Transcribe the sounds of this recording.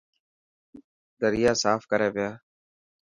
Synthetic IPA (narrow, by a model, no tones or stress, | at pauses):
d̪əɾɪjaːsaːfkəɾeːʋɪjaː